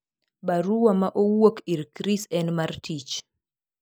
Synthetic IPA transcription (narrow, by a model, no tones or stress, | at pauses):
baɾuwamaʔowokiɾkɾisɛnmaɾtit͡ʃ